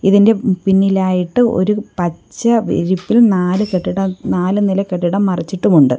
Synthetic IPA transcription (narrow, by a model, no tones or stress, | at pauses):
iðinde̞pinːilaːjiʈːɨʔo̞̰ɾupɐt͡ɕːɐʋḭɾipːilnaːlɨkeʈːiɽɐmnaːlɨnilɐkːeʈːiɽɐmːɐrɐt͡ɕːiʈːumuɳɖɨ